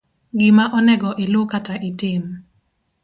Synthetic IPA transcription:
ɡɪmaʔɔnɛɡɔʔelokataʔɪtɪm

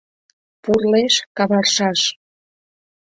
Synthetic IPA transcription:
purleʃkɑβɑrʃɑʃ

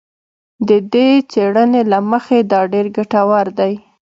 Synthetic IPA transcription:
d̪əd̪et͡seɽənelaməxed̪ɑɖeɾɡaʈawaɾd̪aj

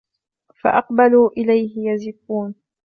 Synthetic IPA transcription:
fa̰ʔɑqbaluːʔɪlajhɪjazɪkːuːn

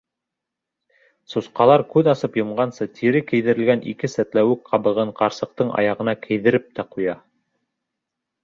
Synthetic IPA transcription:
susqɑlˠɑɾkʉðɑsɤpjɤ̆mɢɑnsɤt̪ʰiɾɘkɘ̆jðɘ̆ɾɘ̆lɡænʔḭkɘsæt̪læwɘk̚qʰɑbɤ̆ʁɤɴqɑɾsɤ̆q̚t̪ɤɴɑ̰jɑʁɤ̆nɑkʰɘ̆jðɘ̆ɾɘp̚t̪æqujɑ

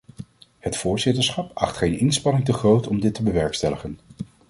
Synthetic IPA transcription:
hətfʊːɹzɪtəɹsχɑpɑ̰χtχejnɪnspɑnɪŋtəχrowtɔmdɪtːəbəʋɛɹkstɛləχən

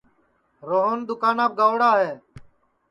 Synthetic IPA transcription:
ɾoːɦoːnd̪ʊkaːnaːb̚ɡaːʋɽaːɦeː

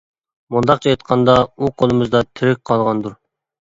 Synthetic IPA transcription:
mund̪ɑq̚t͡ʃʰɑɑt̪̚qʰɑnd̪ɑuqʰolˠɨmɨzd̪ɑt̪ʰyɾɪk̚ʲqʰɑlˠʁɑnd̪uɾ

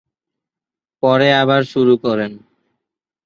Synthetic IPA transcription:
pɔɾeaβaɾʃuɾukɔɾen

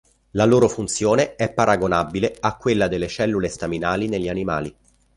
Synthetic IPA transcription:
laloːɾofunt̪sjoːneɛpːaɾʔaɡonabːileakːwelːad̪elːet͡ʃɛlːulest̪aminaːlineʎːianima̰ːli

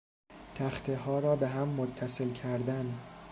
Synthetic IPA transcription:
t̪ʰæxt̪ʰeɦɒːɾɒːbe̞ɦæmːot̪ʰːæselcʰæɾd̪æn

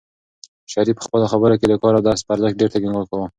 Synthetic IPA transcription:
ʃaɾipə̥xpəloxabəɾoked̪əkɑɾawd̪ɑspaɾzəx̚ɖeɾt̪aɡiŋɡwəkawə

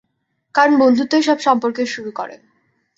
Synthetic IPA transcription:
kanbond̪ʱut̪ːeʃɔbʃɔmpoɾkeʃuɾukɔɾḛn

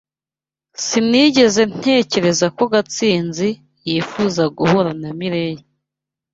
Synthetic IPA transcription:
siniɟe̞ze̞n̥e̞ːce̞ɾe̞zako̞ɡat͡siːnzi | jiːfuːzaɡuhoɾanamiɾeje

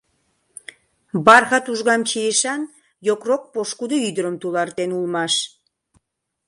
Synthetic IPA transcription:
bɑrɣɑt̪uʒɣɑmt͡ɕejəʃɑn | jokrok̚poʃkud̪oyd̪əɾəmt̪ulɑrt̪enulmɑʃ

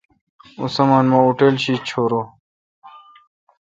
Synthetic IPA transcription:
ṵsɐmanmãuʈelɕiːt͡ɕʰoːɾoː

